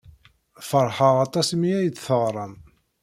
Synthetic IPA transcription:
fəɾˤħəʁɑt̪ˤɑsmiæjət͡sːθəʁɾˤəm

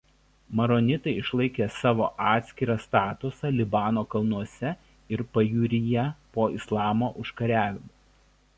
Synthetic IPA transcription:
mɐɾɔnʲɪt̪ɐɪɪʃlˠɐɪkʲeːsɑːʋo̰ːʔɑːt̪ʲsʲkʲɪɾɐst̪ɑːt̪ʊsɑlʲɪbɑːnoːkɐlˠnuɔsʲɛ | ɪɾpɐjuːɾʲɪjɛpoːɪslˠɑːmoːʔʊʃkɐɾʲæːʋʲɪmoː

